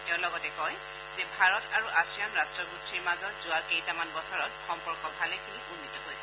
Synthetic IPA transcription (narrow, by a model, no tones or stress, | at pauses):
tɛʊ̃lɔɡɔtɛkɔj | zɛbʱaɹɔtaɹuʔasijanɹastɹɔɡɹustʰiɹmazɔtz̥ʊakejtamanbɔsɔɹɔtxɔmpɔɹkɔbʱalɛkʰiniɡunːitɔɦojsɛ